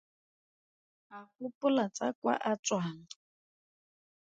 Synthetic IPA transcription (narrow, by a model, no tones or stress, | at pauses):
akʊpʼʊlat͡sʼakʼwa̰ʔat͡sʼwaːŋ̩